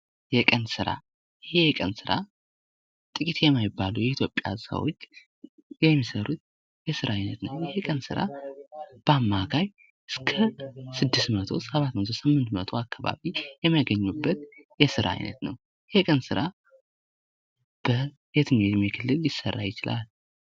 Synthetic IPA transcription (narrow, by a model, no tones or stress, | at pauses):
jɛkʼənsɨɾa̰ | ɪhekʼənsɨɾʔa | t̪ʼɨkʼit̪jɛmːajɪbːalujɛit̪ʰjo̞pʼːja̰sə̰wo̰t͡ʃː | jɛmːisəɾut̪̚ | jɛsɨɾaajnət̪nəwjɪhekʼənsɨɾa̰ | b̥əamːakʰaj | ɨskʰəsɨd̪ːɨst̪mət̪ʰo̞̰səβat̪mət̪ʰosɨmːɨnt̪mət̪ʰo̞akːaβa̰βijɛməɡəɲːubːət̪jɛsɨɾa̰a̰jnə̰t̪nə̰w | jhekʼənsɨɾa | b̥ə | jet̪ʰɨɲemekʰɨlːɨlːɪsə̰rːa̰jɪt͡ʃɪla̰l